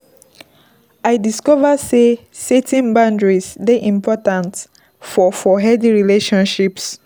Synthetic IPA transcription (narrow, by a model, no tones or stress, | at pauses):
aɪdiskɔvəse | setʰĩnbãndɹisdeʔĩmpʰɔtãnt | fɔfɔɦɛdiɹileʃɔ̃nʃips